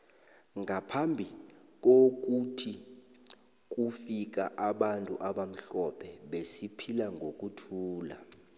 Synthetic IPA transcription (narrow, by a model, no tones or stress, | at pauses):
ŋʱapʰambʱik̬ok̬utʰi | k̬ʼufik̬aʔaɓantʼuʔaɓam̩ɬɔpʰɛɓesipʰilaŋɡʱok̬ʼutʰuːla̰